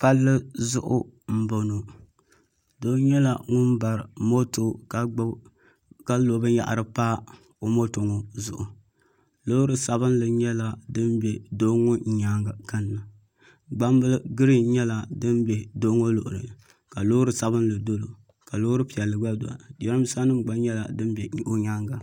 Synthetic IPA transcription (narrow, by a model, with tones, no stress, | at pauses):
pa˦lːɨ˦zʊ˦ʔʊ̰˦m̩˦bo˨no˨ | doː˦ɲɛ˦la˨ŋʊ˦n˦ba˨ɾɨ˨mo˦to˨˦ | ka˦lo˨bɨ˦ja̰˦ʔa̰˨ɾɨ˨paː˦ | o˦mo˦to˨ŋo˨zʊ˨ʔʊ˨ | lo˦ɾɨ˨sa˨βɨ˦n˦lɨ˨ɲɛ˦la˨dɨ˦nbɛ˨do˦ŋo˦ɲ˨ɲa˦ŋɡa˨ka˦nː˨ɨ˨ | ɡ͡ba˦mbɨ˦lɡɨ˦ɾi˦ɲɛ˦la˨dɨ˦nbɛ˨doː˦ŋo˦lo̰˨ʔʊ˨ɾɨ̰˨ | ka˨lo˦ɾɨ˨sa˦βɨ˦nlɨ˨do˦lo˨ | ka˨lo˦ɾɨ˦pi˨ɛ˨lːɨ˨ɡ͡ba˦do̰˨a̰˨dɛ˦ɾɨ˦m˦sa˦nɨ˦mɡ͡ba˦ɲɛ˦la˨dɨ˦n˦bɛ˨˦o˦ɲa˦ŋɡa˨